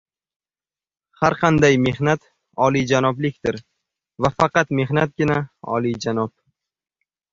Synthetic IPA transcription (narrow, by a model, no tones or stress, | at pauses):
haɾqʰɑnd̪ajme̞hnat̪ | ɒlid͡ʒanɒblɪkʲt̪ɪɾ | vafɑqɑt̪me̞hnat̪̚ɡʲɪnaɒ̰lˠid͡ʒanɒp̚